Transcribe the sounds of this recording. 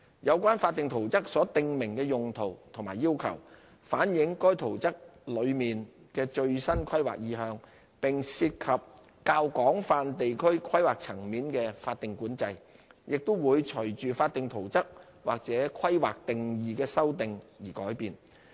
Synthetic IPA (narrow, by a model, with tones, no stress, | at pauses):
jɐ˨˧wkʷwaː˥nfaː˧t̚t̪ɪ˨ŋt̪ʰo˨˩wt͡sɐ˥k̚sɔː˨˥t̪ɪ˨˧ŋmɪ˨˩ŋkɛː˧jʊ˨ŋt̪ʰo˨˩wt̪ʰʊ˨˩ŋmaː˨jiː˥wkʰɐ̰˨˩w | faː˨˥njɪ˨˧˥ŋkɔː˥jt̪ʰo˨˩wt͡sɐ˥k̚lɵ˨˧ɥmiː˨n | kɛː˧t͡ʃɵ˧ɥsɐ˥nkʰɐ˥jwa̰ː˨k̚jiː˨˧˥ɦœː˨˧ŋ | pɪ˨ŋsiː˧t̚kʰɐ˨p̚ | kaː˧wkɔː˨˥ŋfaː˧nt̪e˨jkʰɵ˥ɥkʰwɐ˥jwaː˨k̚t͡sʰɐ˨˩ŋmiː˨˥nkɛː˧faː˧t̚t̪ɪ˨ŋkuː˨˥nt͡sɐ˧j | jɪ˨k̚t̪o˥wwuː˨˧jt͡ʃʰɵ˨˩jt͡ʃyː˨faː˧t̚t̪ɪ˨ŋt̪ʰo˨˩wt͡sɐ˥k̚ | wa̰ː˨˩k̚t͡sɛː˨˥kʷʰɐ˥jwaː˨k̚t̪ɪ˨ŋjiː˨kɛː˧sɐ˥wt̪ɪ˨ŋjiː˨˩kɔː˨˥jpiː˧n